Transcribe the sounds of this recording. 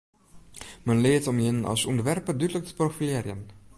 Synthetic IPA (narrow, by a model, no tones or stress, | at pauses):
mənleːtɔmjənɑ̰lˠsɔndəʋɛrpədydələk̚tə̥profileːɾjən